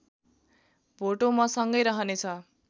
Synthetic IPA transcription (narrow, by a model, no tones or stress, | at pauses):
bʱoʈomasʌŋɡʌjɾʌɦʌnet͡sʰʌ